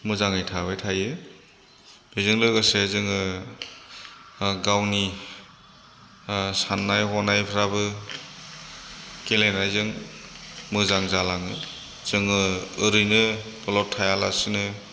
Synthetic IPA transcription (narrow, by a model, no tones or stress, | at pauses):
mɯzaŋɯjtʰabajtʰajɯ | bezɯŋlɯɡasezɯŋɯ | ɡawni | sanːajhɔnajpʰɾabɯ | kelenajzɯŋ | mɯzaŋzalaŋɯ | z̥ɯŋɯɯɾɯjnɯbɔlɔtʰajalasɯnɯ